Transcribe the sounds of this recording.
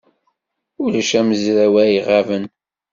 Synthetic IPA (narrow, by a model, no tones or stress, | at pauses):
ulæʃæməzɾæwæjiʁavən